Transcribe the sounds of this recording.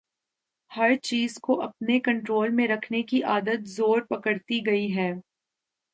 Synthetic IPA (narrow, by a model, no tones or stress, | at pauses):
hɐɾt͡ʃiːzkoʔɐpnekɐ̃ɳʈɾoːlmẽɾɐkʰnekiʔaːd̪ət̪zoːɾpɐkəɾt̪iɡɐiɦɛː